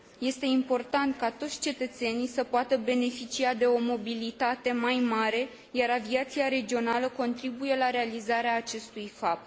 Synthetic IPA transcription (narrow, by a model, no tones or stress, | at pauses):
je̞st̪e̞impo̞rt̪ant̪kat̪o̞t̪sʲt͡ʃe̞t̪ət̪se̞nijsəpoat̪əbe̞ne̞fit͡ʃiad̪e̞o̞mo̞bilit̪at̪e̞majmaɾe̞ | jaɾaviat̪siaɾe̞d͡ʒio̞naləko̞nt̪ɾibuje̞laɾe̞alizaɾeaːt͡ʃe̞st̪ujfap̚t̪